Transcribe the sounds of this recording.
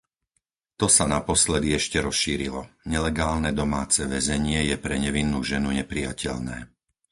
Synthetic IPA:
t̪ɔsanapɔslɛd̪iɛʃcɛɾɔsʃiːɾilɔɲɛlɛɡaːlnɛd̪ɔmaːt͡sɛʋɛzɛɲɪɛjɛpɾɛɲɛʋinːuːʒɛnuɲɛpɾija̰cʰɛ̰ʎnɛː

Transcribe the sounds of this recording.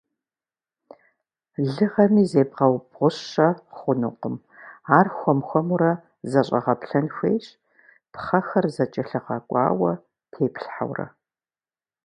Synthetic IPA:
ɮɨʁɐmiːzeːbʁɐwbʁʷʊɕɐχʷʊnʊ̰qəm | aːrxʷɔmxʷɔmuɾɐ | zɐɕʼɐ̰ʁɐpɬɐnxʷeːjɕ | pχɐxɐrzɐt͡ʃʼɐɬɨʁɐkʷʼɑ̰ːwɐ | tʰeːpʰɬħa̰wrɐ̰

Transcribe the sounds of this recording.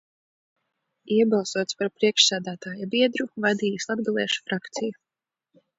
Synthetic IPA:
iɛbalˠsuɔt̪spaɾpɾiɛkʃsæːd̪æːt̪aːjabiɛd̪ɾuvad̪iːjuslˠab̚ɡalˠɛːʃu̥fɾakt̪siju

